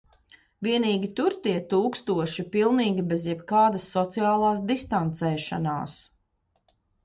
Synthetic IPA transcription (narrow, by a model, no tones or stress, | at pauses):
viɛniːɡʲit̪uɾt̪iɛt̪uːkst̪uɔʃipilˠniːɡʲibezjɛbkaːd̪ɐsːɔt̪sijaːlˠaːsd̪ist̪ant̪sɛːʃana̰ːs